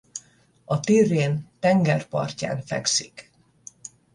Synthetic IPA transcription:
ɒt̪irːeːnt̪ɛŋɡɛrpɒ̰rca̰ːnfɛ̰ksik

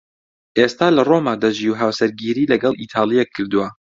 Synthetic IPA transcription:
ʔeːst̪aːlɐromaːd̪aʒiwɦaːwsɐɾɡiːɾiːlɐɡɐlˠʔit̪ʰɑːlˠijɛkʰːɨɾd̪uwɐ

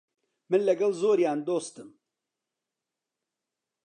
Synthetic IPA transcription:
mɨnlɛɡɛlzoːɾjaːnd̪oːst̪ɨm

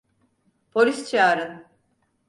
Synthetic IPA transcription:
pʰo̞lʲist͡ʃʰaːɾɯn

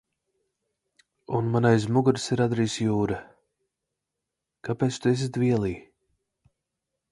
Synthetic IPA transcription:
unmanajzmuɡuɾsiɾad̪ɾiːsjuːɾɨ | kapeːt̪st̪uɛs̬ʲit̪viɛlˠiː

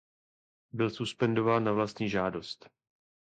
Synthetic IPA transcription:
bɪlsuspɛndo̞vaːnːavlast̪ɲiːʒaːdo̞st̪

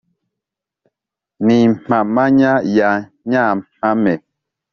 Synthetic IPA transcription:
nimamaɲaja | ɲam̥amɛ

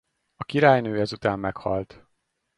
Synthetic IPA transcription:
ɒkiɾaːjnøːɛzut̪aːmːɛkhɒ̰lt̪

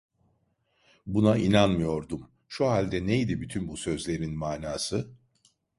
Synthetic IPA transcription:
bunainanmɯjo̞ɾd̪um | ʃuɦalʲd̪ɛne̞jd̪ibyt̪ʰynbusø̞zlʲe̞ɾinmaːnaːsɯ

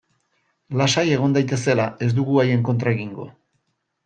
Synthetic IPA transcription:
lasaje̞ɣ̞o̞nd̪ajt̪e̞se̞lae̞zd̪uɣuaje̞ŋko̞nt̪ɾae̞ɣiŋɡo̞

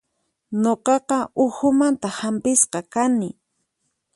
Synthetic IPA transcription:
noqɑqɑʊxʊmant̪ahampɪsqɑkanɪ

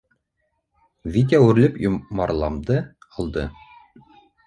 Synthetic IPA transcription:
vit̪̬ʲæwʉ̆ɾlɘpjomɑɾlˠɑmd̪ɤ | ɑlˠd̪ɤ

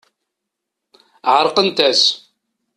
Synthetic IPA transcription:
ʕəɾˤqənt̪æs

